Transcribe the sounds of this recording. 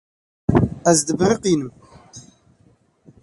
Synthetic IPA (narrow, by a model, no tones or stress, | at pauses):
æzd̪əbɾiqinəm